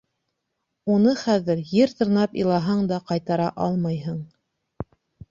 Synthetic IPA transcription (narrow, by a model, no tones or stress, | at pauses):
unɤχæðɘɾjɘɾt̪ɤ̆ɾnɑpḭlˠɑɦɑɴd̪ɑqɑjt̪ɑɾɑʔɑlˠmɑjɦɤɴ